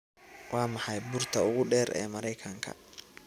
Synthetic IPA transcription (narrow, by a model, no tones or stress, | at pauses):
wɑːmɑħɑjbʊrt̪ʰɐʊɣʊɖɛːɾɛ̰ːmɐɾɛjkʰɐŋkʰɐ̰